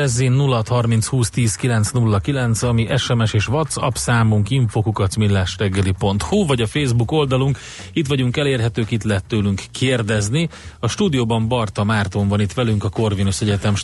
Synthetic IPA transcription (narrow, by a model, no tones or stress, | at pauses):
ɛzːinːulːt̪hɒrmint̪shuːst̪iːskilɛnt̪snulːɒkilɛnt̪sɒmiʔɛʃɛmɛʃeːʃʋɒt̪sɒ̰psaːmuŋkiɱfoːkukɒt̪smilːaːʃrɛɡːɛlipo̞nt̪huvɒɟɒfeːzbuko̞ld̪ɒluŋk | it̪ʋɒɟuŋkɛleːrɦɛt̪øːkit̪lɛɦɛt̪ːøːlyŋkːʰeːrd̪ɛzniɒʃt̪uːd̪ijoːbɒmbɒrt̪ɒmaːrt̪oɱvɒnit̪ʋɛlyŋkɒko̞rvinosɛɟɛt̪ɛmʃ